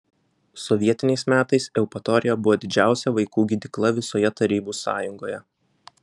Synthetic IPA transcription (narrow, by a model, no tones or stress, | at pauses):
sɔʋʲiɛt̪ʲɪnʲɛɪsmʲæːt̪ɐɪsɛʊpɐt̪ɔɾʲɪjɛbʊʋoːd̪ʲɪd͡ʒʲæˑʊsʲɛʋɐɪkuːɡʲɪd̪ʲɪklˠɐʋʲɪsoːjɛt̪ɐɾʲiːbuːsɑ̰ːjʊŋɡoːjɛ